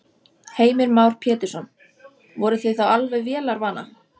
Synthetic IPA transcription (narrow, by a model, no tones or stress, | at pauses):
heːjmɪɾmaːwɾ̥pʰjɛːt̪ɪɾsɔn | vɔɾʏθejθawalvɛjvjɛːlaɾvaːna̰